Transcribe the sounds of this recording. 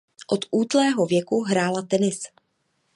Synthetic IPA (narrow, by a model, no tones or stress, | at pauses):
ʔot̪ʔuːt̪lɛːɦo̞vjɛkuɦɾaːlat̪ɛnɪs